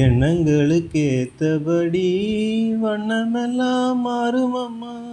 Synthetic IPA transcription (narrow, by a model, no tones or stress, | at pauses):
ɛɳːɐŋɡɐɭɯkːeːt̪ːɐpɐɽi | ʋɐɳːɐmɛlːãːmaːɾɯmɐmːa